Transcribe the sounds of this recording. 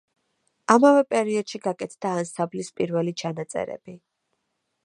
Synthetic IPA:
amavɛpʼɛɾiɔd̪̥ʃiɡakʼɛt̪ʰd̪̥aːnsablispʼiɾvɛlit͡ʃʰanat̪sʼɛ̰ɾɛ̰b̥i

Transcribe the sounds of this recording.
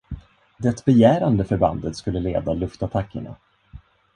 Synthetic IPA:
d̪ɛt̪bɛjæːɾand̪əfœɾba̰nd̪ət̪skɵlːəleːd̪alɵft̪at̪ʰakʰːə̰ɳa̰

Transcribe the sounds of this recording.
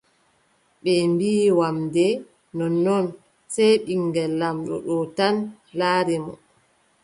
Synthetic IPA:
ɓɛmbiːwamdɛ | nɔnːɔn | sɛjɓiŋɡɛlːamɗɔ̰ɗɔtan | laːɾɛmɔ̰

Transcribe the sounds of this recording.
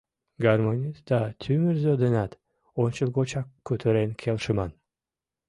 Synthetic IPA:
ɡaɾmonʲit̪d̪at̪ʲʰymyɾzød̪enɑt̪ | ont͡ʃɨlˠɡot͡ʃɑkʰːøt̪ʰøɾenkʲʰelʲˠʃɨmɑn

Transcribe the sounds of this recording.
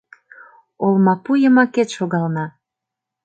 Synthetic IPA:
olmɑpujəmɑket̪ʃoɣɑlnɑ

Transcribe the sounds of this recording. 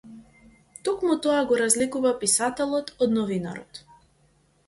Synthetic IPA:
t̪ɔkmut̪ɔaɡɔɾazlikuvapisat̪ɛlˠɔt̪ɔd̪nɔvina̰ɾɔ̰t̪

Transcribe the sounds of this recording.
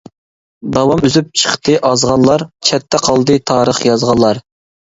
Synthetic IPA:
d̪ɑwɑmyzyp̚t͡ʃʰə̥χt̪ɨʔɑzʁɑnlˠɑɾt͡ʃʰɛt̪ʰːɛqʰɑlˠd̪ɨt̪ʰɑːɾəχjɑzʁɑnlːˠɑɾ

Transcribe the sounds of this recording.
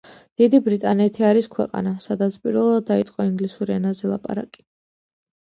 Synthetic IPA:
d̪̥id̪ibɾit̪ʼanɛt̪ʰiaɾiskʰwɛ̰qʼa̰nasad̪at̪sʰpʼiɾvɛlˠad̪̚ːait̪sʼqʼɔiŋɡlisuɾiɛnazɛlˠa̰pʼa̰ɾa̰kʼi̥

